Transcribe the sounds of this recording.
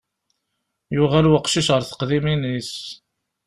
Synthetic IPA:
jʊʁælwəqʃiʃʁəɾθə̥qðiminis

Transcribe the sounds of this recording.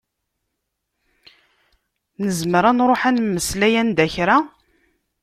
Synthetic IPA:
nəzməɾanɾˤoħænmːəslæjænd̪æçɾa

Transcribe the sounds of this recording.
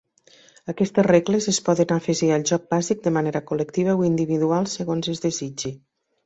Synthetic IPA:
əkɛst̪əsreɣləzəspɔðənafəʒiəlˠʒɔk̚bazik̚d̪əmaneɾəkulək̚t̪iβ̞əoind̪iβiðualˠsəɣonzəzðezid͡ʒi

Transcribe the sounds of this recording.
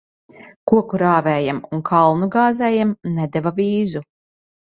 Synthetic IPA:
kuɔkuɾaːvɛːjamunkʰalˠnuɡaːzɛːjamnɛd̪ɛvavʲiːzu

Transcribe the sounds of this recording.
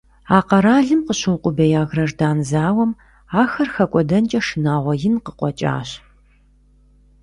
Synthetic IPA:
aːqɐɾaːɮɨmqəɕɨwqʷʼʊbɐjaːɣrɐrdaːnzaːwɐm | aːxɐrxɐkʷʼɔdɐnt͡ʃʼɐʂɨnaːʁʷɔjɪnqəqʷʼɔt͡ʃʼa̰ːɕ

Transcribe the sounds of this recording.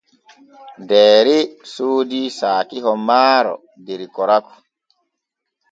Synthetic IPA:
dɛːɾisoːdisaːkiɦɔmaːɾɔ̰ | deɾikɔɾakɔ̥

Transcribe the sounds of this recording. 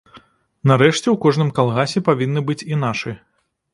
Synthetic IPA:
naɾɛʂt͡sʲɛwkɔʐnɨmkalˠɣasʲɛpavʲinːɨbɨt͡sʲinaʂɨ

